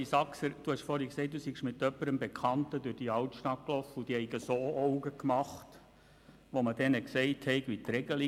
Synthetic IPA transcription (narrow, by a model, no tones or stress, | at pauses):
isɑksəɾd̥uhɑʃfɔɾiksɛɪt̚d̥̪usiɡʃmɪt̪ːœpːəɾəmbekʰχɑntədʉɾd̥iɑwtʃtɑt̚klɔfəud̥ihɛɪɡəsoːɔwɡəkmɑχt | ʋomədɛnəksɛɪthɛɪɡʋit̪ɾɛɡəli